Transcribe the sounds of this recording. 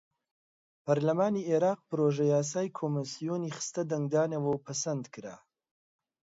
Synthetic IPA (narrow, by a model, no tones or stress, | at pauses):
pʰɐɾlɐmaːnieɾaːq̚pɨɾoʒɐjaːs̬aːjkʰoːmisijoːniːχɨ̥st̪ɐd̪ɐŋɡ̚d̪aːnɐwɐwpʰɐsɐnd̪kʰɨɾa̰